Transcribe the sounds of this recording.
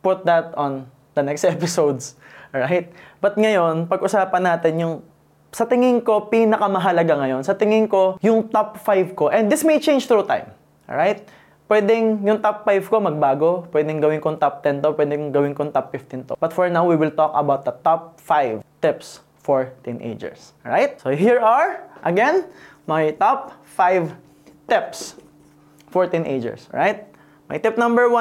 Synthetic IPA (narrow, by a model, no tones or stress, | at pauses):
pʊt̪̚d̪ɐt̪ɔ̃n | d̪ɐnɛkst̪ʔɛpɪsowd̪sɹajt̪̚b̥ɐt̪̚ŋɐjo̞npɐɡʔʊsaːpɐnaːt̪ɛnjʊŋ | sɐt̪ɪŋɪŋko̞pinɐkɐmɐɦɐlɐɡaŋɐjo̞nsɐt̪ɪŋɪŋko̞jʊŋt̪ɔpfajvkoʔɛ̃nd̪d̪ɪsmejt͡ʃẽj̃nd͡ʒt̪ɾut̪ã̰jm | ɹajt̪̚ | pwɛːd̪ɪŋjʊŋt̪apfajvko̞mɐɡ̚baːɡo̞pwɛd̪ɛŋɡɐwɪ̃nkoŋt̪ap̚t̪ɛnt̪opwɛd̪ɛŋɡɐwɪ̃nkoŋt̪apfɪft̪ɪnt̪ob̥ɐt̪fɔɹnawwiwɪlt̪ɔkɐbawt̪̚d̪ɐt̪ɔp̚fajvt̪ɪps | fɔɹt̪ɪnʔḛjd͡ʒɛ̰ɹs | ɹajt̪̚soɦiɹɐɹʔɐɡɛn | majt̪ɔp | fajv | t̪ɪps | fɔɹt̪ɪ̃nʔḛjd͡ʒɛ̰ɹsɹajt̪̚ | mɐ̰jt̪ɪp̚nɐ̃mbɛɹwa